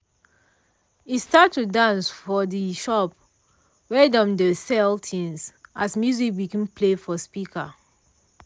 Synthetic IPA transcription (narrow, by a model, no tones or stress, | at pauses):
istatːudãnsfɔdiʃɔp̚ | wɛdɔ̃mdəsɛltʰĩnsasmjuzik̚bikĩnplefɔspikʰa̰